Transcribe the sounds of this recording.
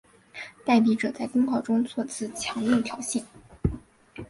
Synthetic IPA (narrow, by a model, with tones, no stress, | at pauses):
t̪a˥˩ɪp̬i˧˥ʈ͡ʂɤ˨˩t͡sa˥˩ɪk̪ə˥ŋpʰɑ˥˩ʊʈ͡ʂʊ˥ŋt͡sʰwɔ˥˧t͡sʰɹ̩˥˩t͡ɕʰjɑ˧˥ŋli˥˩t̪ʰjɑ˨˧˥ʊɕi˥˩n